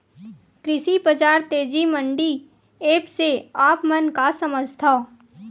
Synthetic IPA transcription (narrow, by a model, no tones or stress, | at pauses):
kɾɪʃibəd͡ʒaːɾt̪eːd͡ʒimə̃ɳɖi | eːpseaːpmənkasəməd͡ʒt̪ʰa